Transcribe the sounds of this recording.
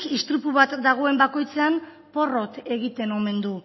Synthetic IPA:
kist̪ɾupuβat̪d̪aɣ̞o̞e̞mbako̞jt͡seam | po̞ro̞t̪e̞ɣit̪e̞no̞me̞nd̪u

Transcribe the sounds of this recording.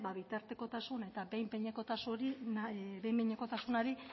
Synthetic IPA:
baβit̪aɾt̪eko̞t̪asune̞t̪abe̞jmpeɲeko̞t̪asuɾinbe̞jmbeɲeko̞t̪asunaɾi

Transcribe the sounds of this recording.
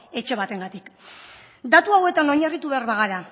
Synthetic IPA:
e̞t͡ʃe̞βat̪e̞ŋɡat̪ik | d̪at̪uawe̞t̪ano̞ɲarit̪uβe̞aɾβaɣaɾa

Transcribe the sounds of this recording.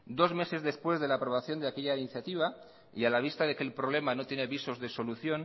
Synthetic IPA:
d̪o̞zme̞se̞zðe̞spwe̞zðe̞laːpɾo̞βaθjo̞nd̪eake̞ʝainiθjat̪iβ̞a | ialaβ̞ist̪aðekelpɾo̞β̞le̞mano̞t̪jene̞βiso̞zðe̞so̞luθjo̞n

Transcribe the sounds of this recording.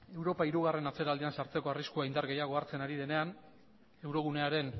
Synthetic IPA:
e̞wɾo̞paiɾuɣare̞nat͡se̞ɾald̪iansaɾt͡se̞ko̞ariskuaind̪aɾɣe̞jaɣ̞o̞aɾt͡se̞naɾið̞e̞ne̞an | e̞wɾo̞ɣ̞une̞aɾe̞n

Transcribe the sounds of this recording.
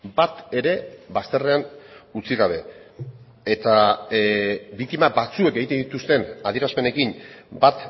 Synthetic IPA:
bat̪e̞ɾe̞βast̪e̞re̞anut͡siɣaβ̞e̞ | et̪a | bik̚t̪imabat͡sue̞ke̞ɣit̪ed̪it̪ust̪e̞naðieɾaspe̞ne̞kinbat̪

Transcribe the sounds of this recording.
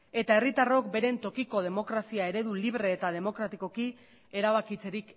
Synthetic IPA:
e̞t̪ae̞rit̪aro̞k̚be̞ɾe̞nt̪o̞kiko̞ð̞e̞mo̞kɾasiae̞ɾe̞ðuliβɾe̞ːt̪að̞e̞mo̞kɾat̪iko̞ki | e̞ɾaβ̞akit͡se̞ɾik

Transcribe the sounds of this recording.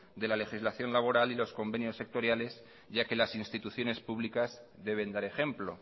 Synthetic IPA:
d̪e̞lale̞xizlaθjo̞nlaβ̞o̞ɾalilo̞sko̞mbe̞njo̞sːe̞k̚t̪o̞ɾjale̞z | ʝake̞lasinst̪it̪uθjo̞ne̞spuβlikazðe̞β̞e̞nd̪aɾe̞xe̞mplo̞

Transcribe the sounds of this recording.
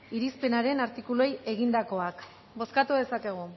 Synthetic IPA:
iɾispe̞naɾe̞naɾt̪ikuloje̞ɣind̪ako̞ak | bo̞skat̪uðe̞sake̞ɣ̞u

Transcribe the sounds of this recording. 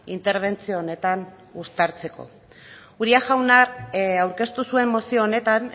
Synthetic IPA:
int̪e̞ɾβ̞e̞nt͡sioːne̞t̪an | ust̪aɾt͡se̞ko̞̰ | uɾiaʝawnaawɾke̞st̪usue̞mːo̞sioːne̞t̪an

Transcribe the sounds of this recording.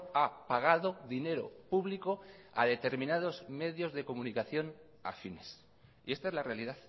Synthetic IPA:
apaɣ̞aðoðine̞ɾo̞̰puβliko̞a̰ðe̞t̪e̞ɾmĩnað̞o̞zme̞ðjo̞zðe̞ko̞munikaθjo̞n | a̰fine̞s | ie̞st̪ae̞zlarealiðaθ

